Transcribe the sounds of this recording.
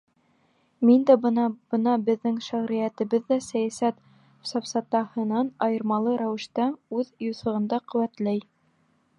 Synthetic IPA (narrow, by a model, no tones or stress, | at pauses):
mind̪æbɤnɑb̥ɤ̆nɑbɘ̆ðːɘŋʃæʁɾɘ̆jæt̪ɘ̆βɘðːæsæjæsæt̪ | sɑfsɑt̪ɑhɤ̆nɑnɑjɤ̆ɾmɑlˠɤɾæwɘ̆ʃt̪æʉðjuθɤ̆ʁɤ̆nd̪ɑqɵ̆wæt̪læj